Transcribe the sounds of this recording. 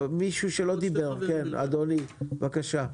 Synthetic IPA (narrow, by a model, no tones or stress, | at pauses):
miʃuʃelo̞d̪ibeʁkena̰d̪onivakaʃa